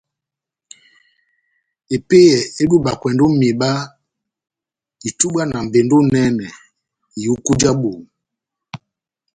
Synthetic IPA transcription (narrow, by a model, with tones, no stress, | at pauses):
e˨pe˦jɛ˨e˦ɗu˦ɓa˨kwɛ˨ndo˦me˨ɓa˦ | i˨tu˦ɓa˦na˨m̩˨be˨ndo˦nɛ˦nɛ˨ | i˨u˦ku˦d͡ʒa˦ɓo˨ŋ˨